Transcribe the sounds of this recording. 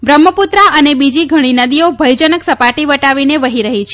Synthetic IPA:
ʋɾəmːəput̪ɾaʔənebid͡ʒiɡʱəɽ̃inəd̪iobʱəjd͡ʒənəksəpaʈiʋəʈaʋineʋəɦiɾəɦit͡ʃʰe

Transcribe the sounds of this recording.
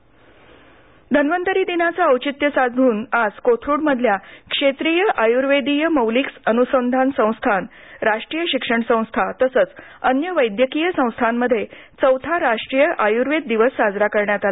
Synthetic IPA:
d̪ʱənʋənt̪əɾiːd̪inat͡saəwt͡ɕit̪jəsad͡zʱuːnad͡zkot̪ʰɾuːɽməd̪ʱjakʂet̪ɾiːjəʔajuɾʋed̪ijəməwliksənusənd̪ʱansə̃w̃st̪ʰanɾaʂʈɾiːjəɕikʂəɳsə̃w̃st̪ʰat̪əsət͡s | ənjəʋəjd̪jəkijəsə̃w̃st̪ʰamːəd̪ʱːjet͡səwt̪ʰaɾaʂʈɾijəʔajuɾʋed̪̚ːiʋəsːad͡zɾakəɾɳjat̪al

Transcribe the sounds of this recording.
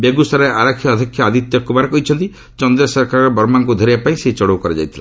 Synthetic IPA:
beɡusaɾeʔaɾakʰːjɔɔd̪ʱikʰːjaad̪it̪jɔkubaɾekɔɦit͡ʃʰɔnt̪i | t͡ʃɔnd̪ɾɔsɔɾkaɾɔɾebɔɾmaŋkud̪ʱɔɾiapaĩseɦit͡ʃɔɽuwkɔɾed͡ʒa̰jt̪ʰila

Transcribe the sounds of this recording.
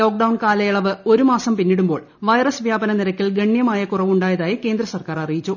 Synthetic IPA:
lo̞ːk̚ɖɐwɳkaːlɐjɐɭɐʋɨo̞ɾumaːsɐmpinːiɽumbo̞ːɭ | ʋɐjrɐsʋjaːbɐnɐniɾɐkʲːilɡeɳːjɐmaːjɐkurɐʋuɳɖaːjɐðaːjike̞ːnd̪rɐsɐrkaːrɐrijit͡ɕːu

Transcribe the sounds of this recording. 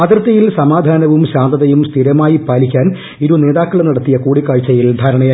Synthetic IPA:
ɐd̪rɐt̪ːɐjilsɐmaːd̪ʱaːnɐʋumɕaːnd̪ɐðɐjumst̪ʰiɾɐmaːjipaːlikʲːaːn | iɾune̞ːðaːkːɐɭenɐɽɐt̪ːijɐkuːɽikːaːɻt͡ɕːɐjild̪ʱaːɾɐɳɐjaː

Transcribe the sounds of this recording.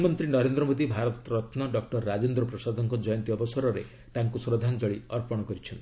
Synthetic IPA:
mɔnt̪ɾinɔɾend̪ɾɔmod̪ibʱaɾɔt̪ɾɔt̪ʰnɔɖɔk̚ʈɔɾːad͡ʒond̪ɾɔpɾɔsad̪ʱɔŋkɔd͡ʒɔjɔnt̪iɔbɔsɔɾɔɾe | t̪aŋkusɾɔd̪ʱand͡ʒɔɭiɔɾpɔɽ̃ɔkɔɾit͡ʃʰɔnt̪i

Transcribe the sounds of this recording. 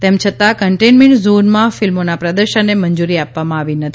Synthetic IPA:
t̪emt͡ʃʰət̪akəɳʈenmɛ̃ɳʈzonmãfilmonapɾəd̪əɾʃənːeməɲd͡ʒuɾiapʋamãaʋinət̪ʰi̥

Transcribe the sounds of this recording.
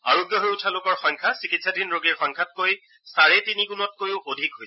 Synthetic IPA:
a̰ɹoɡjɔɦojʊtʰalokɔɹxɔŋkʰasikitsadinɹoɡiɹxɔŋkʰat̚koj | saɹɛtiniɡunɔt̚kojʊʔodʱikɦojsɛ̥

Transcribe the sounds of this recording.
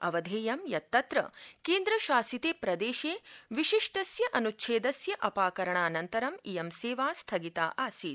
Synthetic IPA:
ɐʋɐd̪ʱeːjɐmjɐt̪ːɐt̪ɾɐ̰keːnd̪ɾɐʃaːsit̪eːpɾɐd̪eːʃeːʋiʃiʂʈɐsjɐʔɐnutːʃʰeːd̪ɐsjɐʔɐpaːkɐɾɐɳaːnɐnt̪ɐɾɐmijɐmseːʋaːst̪ʰɐɡit̪a̰ːʔaːsiːt̪

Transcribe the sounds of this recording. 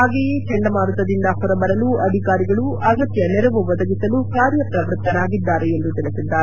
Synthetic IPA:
aːɡeːjet͡ʃɛɳɖɐmaːɾut̪ɐd̪ind̪ɐɦɔɾɐbɐɾɐluʔɐd̪ʱikaːɾiɡɐɭuʔɐɡɐt̪jɐnɛɾɐʋuʋɐd̪ɐɡisɐlukaːɾjɐpɾɐʋɾt̪ːɐnaːɡid̪ːaːɾeend̪ut̪ilisid̪ːaːɾe

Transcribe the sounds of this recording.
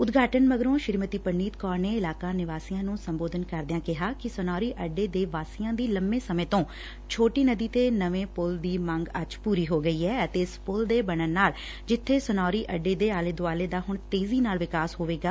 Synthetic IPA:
ʊd̪ɡʱaːʈənməɡɾõːʃɪɾmət̪iːpəniːt̪kɔːɾneːɪlaːkãːnɪʋaːsiːãːnũːsəmboːd̪ʱənkəɾd̪ɪjãːkɪɦaːkɪsənɔːɾiːʔəɖːeːd̪eːʋaːsiːãːd̪iːləmẽːsəmẽːt̪õː | t͡ʃʰoːʈiːnəd̪iːt̪eːnəʋẽːpʊld̪iːmə̃ŋɡəd͡ʒpuːɾiːɦoːɡəiːɛːət̪eːɪspʊld̪eːbəɽ̃ənːaːl | d͡ʒɪt̪ʰːeːsnɔːɾiːʔəɖːeːd̪eːaːleːd̪ʊaːleːd̪aːɦʊɳt̪eːziːnaːlʋɪkaːsɦoːʋeːɡaː

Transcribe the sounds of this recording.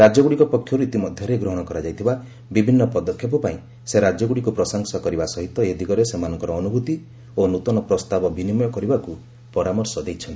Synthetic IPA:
ɾad͡ʒɔɡuɽikɔpɔkʰːjɔɾuit̪imɔd̪ʱjɔɾeɡɾɔɦɔɽ̃ɔkɔɾad͡ʒajt̪ʰiba | bibʱinːɔpɔd̪ɔkʰjɔpɔpaĩ | seɾad͡ʒɔɡuɽikupɾɔsɔŋsɔkɔɾibasɔɦit̪ɔed̪ʱiɡɔɾesemanɔŋkɔɾɔːnubʱut̪i | onut̪ɔnɔpɾɔst̪abɔbinimɔjɔkɔɾibaku | pɔɾamɔɾsɔd̪ejt͡ʃʰɔnt̪i

